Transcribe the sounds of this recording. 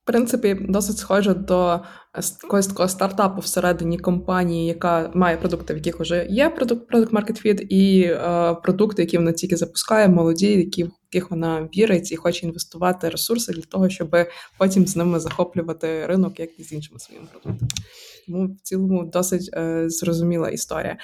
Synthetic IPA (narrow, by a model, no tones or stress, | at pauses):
fpɾɪnt̪sɪpʲid̪ɔsɪtʲsxɔʒɛd̪ɔ | kɔɦɔsʲt̪ɐkɔɦɔst̪ɐrt̪ɑpʊwseɾɛd̪ɪnʲikɔmpɑnʲijijɐkɑmɑjɛpɾɔd̪ukt̪ɪʋjɐkʲɪxʊʒɛjɛpɾɔd̪uk̚t̪pɾɔd̪ʊkt̪mɑrket̪fʲid̪i | pɾɔd̪ukt̪ɪjɐkʲiʋɔnɑtʲilʲkʲɪzɐpʊ̥skɑjɛmɔlˠɔdʲijjɐkʲijɐkɪxʋɔnɑʋʲiɾet͡sʲːɐixɔt͡ʃɛinʋest̪ʊʋɑt̪ɪɾesursɪd̪lʲɐt̪ɔɦɔʃt͡ʃɔbɪpɔtʲimznɪmɪzɐxɔplʲʊʋɐt̪ɪɾɪnɔkjɐkizʲinʃɪmɪsʋɔ̰jḭmɪpɾɔd̪uk̚t̪ɐmɪt̪ɔmuwt͡sʲilˠɔmʊd̪ɔsɪtʲzrɔzʊmʲilˠɐ̰ʔḭst̪ɔ̰ɾʲḭjɐ̰